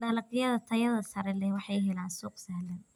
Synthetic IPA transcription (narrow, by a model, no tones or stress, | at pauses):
ɖɐlɐqɪjɐðɐt̪ʰɐjɐðɐsɐɾɛlɛhwɑħɑjɦɛlaːnsuːqsɐhlɐn